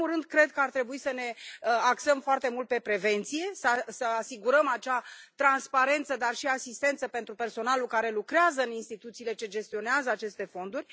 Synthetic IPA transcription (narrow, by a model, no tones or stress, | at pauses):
murɨnd̪̚kɾe̞d̪̚kəart̪ɾe̞buisəne̞aksəmfoart̪e̞mult̪̚pe̞pɾe̞ve̞nt̪sije̞səsəasiɡuɾəmat͡ʃat̪ɾanspaɾe̞nt̪səd̪arʃiasist̪e̞nt̪səpe̞nt̪ɾupe̞rso̞nalukaɾe̞lukɾeazəɨninst̪it̪ut̪siːle̞t͡ʃe̞d͡ʒe̞st̪io̞neazəat͡ʃe̞st̪e̞fo̞nd̪uɾʲ